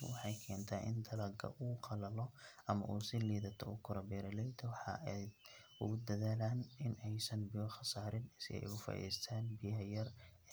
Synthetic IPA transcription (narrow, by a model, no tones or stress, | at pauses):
wɑħɑjkʰɛːnt̪ʰaːʔɪ̰nd̪ɐlɐɡʰɐ̰ʔuːqɑlɐlɔɐmɐ̰ʔuːsɪliːðɐt̪ʰɔʊkʰʊɾɐbɛːɾɐlɛjt̪ʰɐwɑħɑ̰ɛ | ʊ̰ɣʊd̪ɐðaːlaːnɪnɛjsɐnbɪjɔχɑsaːɾɪnsɪɛ̰jɣʊfɐ̰ʔḭːst̪ʰaːnbɪjɐɦjɐr